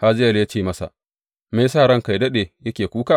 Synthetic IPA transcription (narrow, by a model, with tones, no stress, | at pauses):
ha˦zɪ˦jɐ˨lja˦t͡ʃeː˦˨mɐ˦sa̰˨ | meː˦saː˦˨ɾɐ˦ŋka˨jdɐ˦ɗeː˨jɐ˦kʲeː˨kʷuː˦kaː˦˨